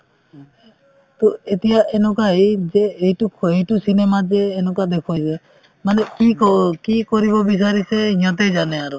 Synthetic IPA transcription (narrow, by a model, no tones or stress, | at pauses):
t̪oet̪ijaʔenɔ̃kaɦid͡ʒeːjʈueɦjʈusinemad͡ʒeːnɔ̃kad̪ekʰse | manekikɔkikɔɾibɔbis̬aɾiseiɲɔt̪̬ed͡ʒaneaɾu